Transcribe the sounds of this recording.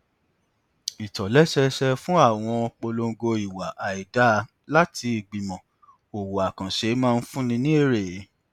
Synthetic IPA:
i˨tɔ˨lɛ˦ʃɛ˧ʃɛ˧fũ˦a˦˨w̃ɔ̃˧k͡po˧lo˧ŋ˦ɡo˧i˨wa˨ʔa˨i˨da˦ | la˦ti˧i˨ɡ͡bi˨mɔ̃˨ | o˨wo˨a˨kã˨ʃe˨˦mãː˦˧n̩˦fũ˦nĩ˧nĩ˦e˦˨ɾe˨˦

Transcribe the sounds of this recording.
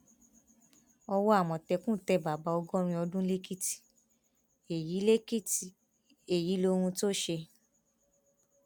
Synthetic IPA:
ɔ˧wɔ˦a˦˨m̃ɔ̃˨tɛ˧kũ˦˨tɛ˧ba˨ba˨˦ɔ˧ɡɔ˦ɾ̃ĩ˧ɔ˧dũ˦le˦ki˦ti̥˨ | e˨ji˨˦le˦ki˦ti˨ | e˨ji˨˦lo˧ɾ̃ũ˧to˦ʃe˧

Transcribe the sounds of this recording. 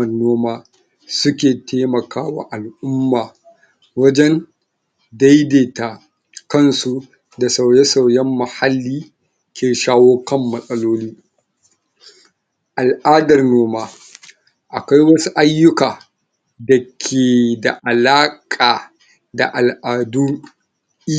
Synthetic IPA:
ɐ˨nːoː˦maː˦ | sʊ˦kʲeː˨teː˦mɐ˨kaː˦wa̰˦ʔa˨lʔʊ˦mːaː˨ | wɐ˦d͡ʒɛ˦n | da˦jdeː˨ta˨ | kɐ˦nsu˦ | da˨sa˨wjɛ˦sa˨wjɛ˦mːa˨ha˦lːiː˦ | kʲeː˨ʃaː˦woː˦kɐ˦mːɐ˨sʼɐ˦loː˦liː˦ | ʔa˨lʔaː˦dɐ˨rnoː˦maː˦ | ʔa˨ka˦jwɐ˦su˦ʔa˦jːʊ˦kaː˨ | dɐ˨kʲʰeː˨da̰˨ʔa˨laː˦kʼaː˨ | da̰˨ʔa˨lʔaː˨du˦

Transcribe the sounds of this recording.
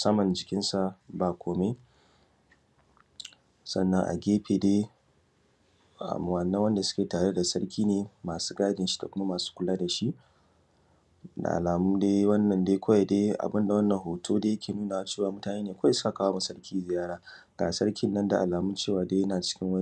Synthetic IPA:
sɐ˦mɐ˨nd͡ʒɪ˨kʲɪ˦nsa˨baː˨kʷoː˨me˦ | sɐ˦˨nːɐ˦ŋʔa̰˨ɡʲeː˦ɸʰeː˨deː˦ | a̰˨wɐ˨nːɐ˦wɐ˦nda˨sʊ̥˦kʲeː˨taː˨ɽe˦da˨sɐ˦rkʲiː˦neː˨maː˨su̥ː˦ɡaː˦dɪ˨nʃi̥˦da̰˨kʷʊ˦ma˦maː˨su̥ː˦kʷʊ˦laː˦da˨ʃi˦ʔ | da̰˨ʔa̰˨laː˨mʊ˦deː˦wɐ˦nːɐ˨ndeː˦kʷa˦ja˨deː˦ʔa̰˨bɪ˦nda˨wɐ˦nːɐ˨ŋhoː˨tʰoː˦deː˦jɐ˦kʲʰeː˨nuː˦na˨wa˦t͡ʃe˦˨waː˨mʊ˦taː˨neː˦neː˨kʷa˦sʊ˦ka˨kaː˦wa˦mu˨sɐ˦ɽkʲiː˦zɪ˨jaː˦ɽaː˦ | ɡ̥aː˨sɐ˦ɽkʲɪ˦nːɐ˦nda˨ʔa˨laː˨mʊ˦t͡ʃeː˦˨waː˨˦deː˦jɐ˦naː˨t͡ʃɪ̥˦kʲɪ˦ŋwɐ˦

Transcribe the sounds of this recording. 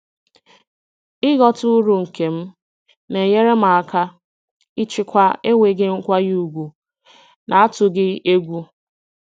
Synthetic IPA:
ɪ˦ɣɔ˦tʊ˦ɾu˨ŋ̩˨ke˨m̩˦ | ne˨ɲe˦ɾe˦m˨a˨ka˦ | ɪ˦t͡ʃɪ˦kʷa˦e˦ŋʷe˨ɡɪ˦ŋ̩˦kʷa˦ju˨ɡʷu˨ | na˨a˦tʊ˨ɡɪ˦e˦ɡʷu˦

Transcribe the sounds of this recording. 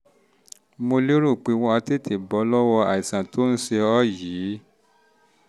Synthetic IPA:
mo˧le˦ɾu˦˨k͡pe˨˦w̃ɔ̃˧a˧te˦˨tʰe˨bɔ˨˦lɔ˦wɔ˧a̰˨i˨sã˨to˦n̩˦se˧ɔ˦ji˨˦

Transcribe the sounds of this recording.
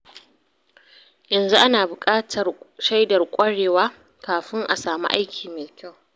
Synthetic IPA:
jɐ˨nzu˦ʔa˦naː˨bʊ˨kʼaː˦tʰɐ˨rʃa˦jdɐ˨rkʷʼɐ˦ɽeː˨waː˦ | kaː˨ɸɪ˦ŋʔa̰˨saː˨mṵ˦ʔa̰˦jkʲʰiː˨meː˨kʲa˦w

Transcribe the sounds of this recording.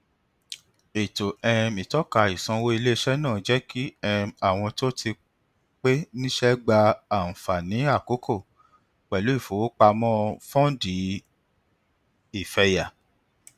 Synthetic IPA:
e˨to˨ɛ˧mĩ˨tɔ˨˦ka˧˨i˨sɔ̃˧wo˦i˧le˦ʃɛ˦nãː˦˨d͡ʒɛ˦ki˦ɛ˧a˦˨w̃ɔ̃˧to˦tʰi˧ | k͡pe˦nĩ˦ʃɛ˦ɡ͡ba˧a˨fa˨nĩ˨˦a˦˨ko˨˦kʰo˦˨ | k͡pɛ˨lu˨˦i˦˨fo˨wo˦k͡pa˧mɔ̃˦fɔ̃˦di˨˦ | i˦˨fɛ˧ja˨

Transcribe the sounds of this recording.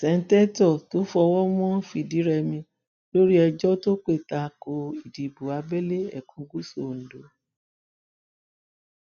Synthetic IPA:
sɛ˨˦n̩˦tɛ˦tɔ˦˨to˨˦fɔ˧wɔ˦mɔ̃˦fi˨di˨˦ɾɛ˧mĩ˧ | lo˦ɾi˦ɛ˧d͡ʒɔ˦to˦k͡pe˦˨ta˧˨ko˧i˨di˨bu˨a˧bɛ˦le˦ɛ̰˨kʰũ˨˧ɡu˦so˦˨n̩˨do˨˦

